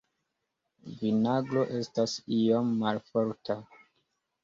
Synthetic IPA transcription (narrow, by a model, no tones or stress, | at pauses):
vinaɡlo̞ʔe̞stasiomːalfo̞ɾtʰa